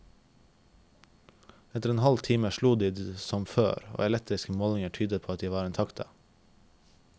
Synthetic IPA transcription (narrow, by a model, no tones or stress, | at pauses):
ɛt̪əɾeːnhɑlt̪ʰiːməʃluːd̪iːd̪sɔmfø̰ːɾo̰ːɛlɛk̚t̪ɾɪskəmoːlɪŋəʈʰyːd̪əpʰoːɑt̪̚d̪iːʋɑːɾeːnt̪ʰɑkt̪ʰɑ̰